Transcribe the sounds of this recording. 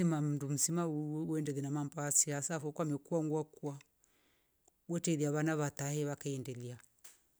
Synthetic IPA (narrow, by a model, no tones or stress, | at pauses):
imam̩ndum̩simauɛndɛðinamampasiasafɔkwamɛkuaŋɡwakua | wɛtɛðiaβanaβatahɛβakaɛndɛlia